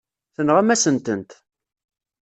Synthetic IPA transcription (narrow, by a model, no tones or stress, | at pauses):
θənʁæmæsənt̪ənt̪